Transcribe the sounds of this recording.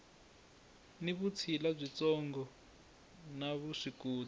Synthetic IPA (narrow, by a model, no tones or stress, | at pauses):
niβut͡sʰilab͡ʐʷit͡sɔŋɡɔ | naβuʂikuː